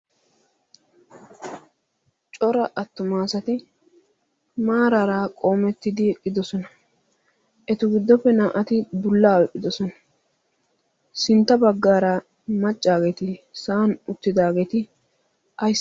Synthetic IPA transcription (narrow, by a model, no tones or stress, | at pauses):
t͡ʃʼɔɾɐʔɐt̪ːʊmaːsɐt̪ɪ | maːɾaɾaːkʼo̞ːmɛt̪ːɪd̪ɪkʼːɪd̪ɔsɔnɐ | ʔɛt̪ʊɡɪd̪ːɔpːɛnaːʔɐt̪ɪb̪ʊlːaːwɛʔʼɪd̪ɔsɔnɐ̥ | sɪnt̪ːɐbɐɡːaːɾɐ | mɐt͡ʃʼːaːɡet̪ɪsaːnʊt̪ːɪd̪aːɡeːt̪ɪ | ʔɐj